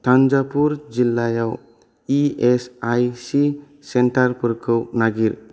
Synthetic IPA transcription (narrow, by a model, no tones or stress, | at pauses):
t̪ʰand͡ʒapuɾd͡ʒilːajaw | iesajsi | senʈaɾpəɾkʰɯwnaɡiɾ